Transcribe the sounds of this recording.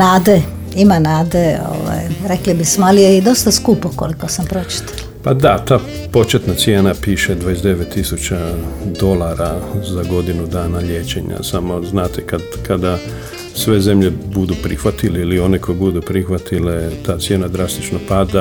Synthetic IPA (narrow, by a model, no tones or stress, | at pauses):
naːd̪e | imanaːd̪eo̰ʋa̰jɾeklibismoalijeid̪o̞st̪askuːpoko̰likosampɾo̞t͡ʃi̥t̪ḁl | pad̪at̪aː | po̞t͡ʃet̪nat̪sjeːnapiːʃed̪ʋajesd̪eʋet̪ːisut͡ɕad̪o̞laɾazaɡo̞d̪inud̪aːnaʎje̞ːt͡ʃeɲa̰samo̞znaːt̪ekad̪kʰad̪a | sʋe̞ze̞mʎebud̪upɾixʋat̪ileilio̞nekʰo̞jbud̪upɾixʋat̪ʰilet̪aːt̪sjenad̪ɾast̪i̥t͡ʃnopad̪a